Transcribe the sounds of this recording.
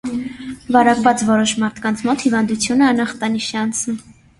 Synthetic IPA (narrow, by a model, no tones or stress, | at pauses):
vɑɾɑkvɑt͡svɔɾɔʃmɑɾt̪ʰkɑnt͡sʰmɔt̪hivɑnd̪ut͡sʰjunəɑnɑχt̪ɑniʃɛɑnt͡sʰnum